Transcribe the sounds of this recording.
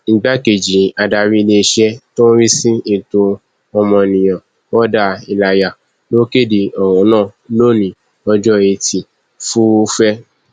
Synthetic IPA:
n̩˨ɡ͡ba˦ke˨d͡ʒĩ˨a˨da˧˨ɾĩ˦˧le˧ʃɛ˦to˦n̩˦ɾi˦sĩ˦i˦˨tõ˧ | ɔ˧mɔ̃˧nĩ˨j̃ã˨ | wɔ˦da˦˨i˧la˧ja˨ | lo˦ke˦˨di˨ɔ˨w̃ɔ̃˨˦nãː˦˨lo˦˨nĩ˨ | ɔ˧d͡ʒɔ˦e˧ti˨ | fu˦fɛ˦

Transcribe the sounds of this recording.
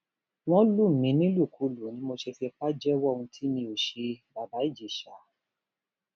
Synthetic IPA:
w̃ɔ̃˦lu˦˨mĩ˨˦nĩ˦lu˦˨kʰu˨˦lu˨nĩ˨˦mo˧ʃe˧fi˧k͡pa˦d͡ʒɛ˦wɔ˦˨ũ˧tʰi˦mĩ˧o˨ʃe˧ba˨ba˨˦i˦˨d͡ʒi˨ʃa˨˦

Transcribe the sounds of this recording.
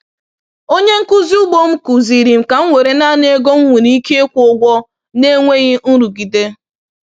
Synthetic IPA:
o˦ɲe˦ŋ̩˦ku˦zi˦u˦bo˦m̩˦ku˨zi˨ɾi˨m̩˨ka˨ŋ̩˦ŋʷe˨ɾe˨na˦ne˦ɡo˦ŋ̩˦ŋʷu˨ni˨˦i˦ke˦e˦kʷʊ˦ɡʷɔ˦ | ne˦ŋʷe˦ɣɪ˦n̩˦ɾu˨ɡi˨de˦

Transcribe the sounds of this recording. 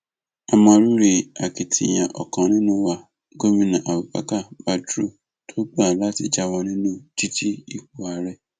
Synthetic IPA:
a˨mã˨ɾu˦ɾe˨a˨kɪ˨tʰɪ̰˨ɲã˨ʔɔ˨kɔ̃˨nɪ̃˦nʊ̃˦wa˨ | ɡo˦mĩ˦nã˨ʔa˨wu˨pa̰˨ka˦˨ba˨tu˦ | tʰo˦k͡pa˨la˦tɪ˦d͡ʒa˨wɔ˨nɪ̃˦nʊ̃˦ti˦tʰi˦i˨ku˨a˨ɾɛ˦

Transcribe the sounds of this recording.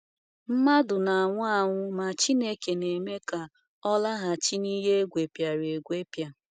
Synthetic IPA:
m̩˦ma˦dʊ˨na˨a˨ŋʷʊ˦a˦ŋʷʊ˦ma˨t͡ʃi˦ne˦ke˨ne˨me˦ka˨ | ɔ˦la˦ɦa˨t͡ʃi˦ni˦ɦe˦e˦ɡʷe˨pja˨ɾe˨ɡʷe˦pja˨

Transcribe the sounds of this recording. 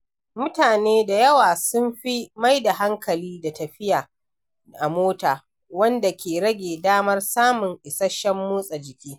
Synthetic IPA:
mʊ˦taː˨neː˦da˨jɐ˦waː˨sʊ˦mɸi˦ma˦jda˨ɦa˦ŋkɐ˨liː˦da˨tɐ˨ɸɪ˦jaː˨ | ʔa˨moː˦taː˨ | wɐ˦nda˨kʲʰeː˨ɽɐ˦ɡʲeː˨daː˦mɐ˦rsaː˦mʊ˨ŋʔɪ˨sɐ˦ʃɐ˦mːuː˦sʼɐ˨d͡ʒɪ˨kʲiː˦

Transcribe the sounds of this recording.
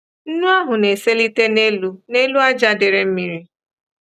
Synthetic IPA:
n̩˦nu˦a˦ɦʊ˨ne˨se˦li˦te˦ne˦lu˦ne˦lu˦a˦d͡ʒa˦dɪ˨ɾe˨m̩˦mi˨ɾi˦

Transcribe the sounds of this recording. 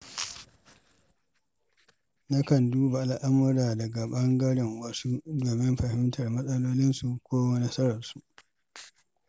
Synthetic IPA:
nɐ˦kɐ˨nduː˦ba˨ʔa˨lʔa˦mːʊ˦ɽaː˨dɐ˨ɡa˨ɓɐ˦ŋɡɐ˦ɽɪ˨ŋwɐ˦su˦doː˨mɪ˦mɸɐ˨hɪ˦mtʰɐ˨rmɐ˦sʼɐ˦loː˦lɪ˦nsu˨kʷoː˦wɐ˦nɐ˦sɐ˦ɾɐ˨rsu˦ʔ

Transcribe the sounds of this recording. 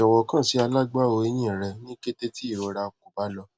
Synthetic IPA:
ɔ˨wɔ˧kã˦˨si˨˧˦a˧la˦ɡ͡ba˦˨o˧e˧˦j̃ĩ˦˨ɾɛ˧nĩ˦ke˦te˦ti˦i˦˨ɾo˨˧ɾa˧˨k̚u˨ba˨˦lɔ˧

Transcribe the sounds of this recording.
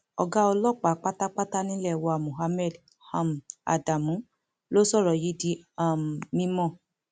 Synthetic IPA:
ɔ˨ɡa˦ɔ˧lɔ˦˨k͡pa˨˦k͡pa˦ta˦k͡pa˦ta˦nĩ˦lɛ˦˨wɔ˧a˨mũ˨ɦa˧mɛ˦˨d | hã˨˧ma̰˨da˨mũ˨˦ | lo˦sɔ˦˨ɾɔ˨ji˨˦di˧˦a˨m˨nĩ˦mɔ̃˦˨

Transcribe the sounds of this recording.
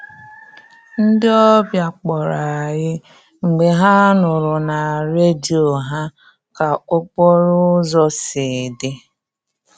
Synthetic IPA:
n̩˦dɪ˦ɔ˦bja˨k͡pɔ˨ɾa˨ɣɪ˦ | ŋ͡m̩˨ɡ͡be˨ɦa˦nʊ˨ɾʊ˨na˨ɾe˦di˨o˨ɦa˦ | ka˨ʊ˦k͡pɔ˦ɾʊ˦zɔ˦sɪ˨dɪ˦

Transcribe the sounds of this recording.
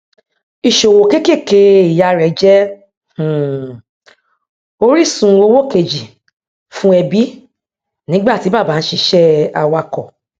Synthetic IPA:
i˨ʃo˨wo˨ke˦ke˦˨ke˧i˨ja˧ɾɛ˨d͡ʒɛ˦ | h̩˨ | o˦ɾi˦˨sũ˧o˧wo˦ke˨d͡ʒi˨ | fũ˦ɛ˧bi˦ | nĩ˨˦ɡ͡ba˦˨ti˨˦ba˦˨ba˨˦n̩˦ʃi˧ʃɛ˦a̰˧wa˧kɔ˨

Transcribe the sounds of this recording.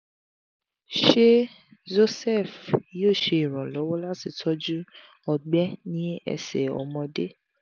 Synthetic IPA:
ʃe˦ | d͡ʒo˧sɛ˦˨fjoː˦˨ʃe˧i˨ɾ̃ɔ̃˨lɔ˨˦wɔ˦la˦ti˨tʰɔ˦d͡ʒu˦ | ɔ˧ɡ͡bɛ˦nĩ˦ɛ̰˧sɛ̰˨ɔ̰˨mɔ̃˧de˦

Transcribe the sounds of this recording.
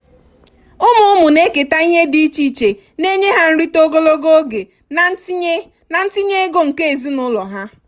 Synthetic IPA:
ʊ˦mʊ˨ʊ˦mʊ˨ne˦ke˨ta˦i˦ɦe˦di˦t͡ʃi˦˨t͡ʃe˨ | ne˦ɲe˦ɦa˦n̩˦ɾi˦to˦ɡo˦lo˦ɡo˦ɡe˨˦ | na˨n̩˦ti˦ɲe˦e˦ɡo˦ŋ̩˨ke˦e˨zi˦nʊ˦lɔ˨ɦa˦

